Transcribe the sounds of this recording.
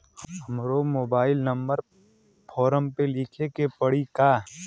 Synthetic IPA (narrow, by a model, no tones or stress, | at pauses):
ɦɐmɾomoːbaːɪlnɐmbəɾ | pʰɔːɾəmpelɪkʰekepɐɽikaː